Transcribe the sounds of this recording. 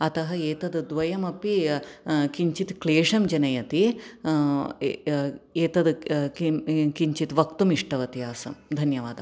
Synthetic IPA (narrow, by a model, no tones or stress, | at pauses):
ɐt̪ɐɦɐeːt̪ɐd̪d̪ʋɐjɐmɐpi | kiɲt͡ʃit̪kleːʂɐmd͡ʒɐnɐjɐt̪i | eːt̪ɐd̪ | kiɲt͡ʃit̪ʋɐkt̪umiʂʈɐʋɐt̪ijaːsɐmd̪ʱɐnjɐʋaːd̪ɐmm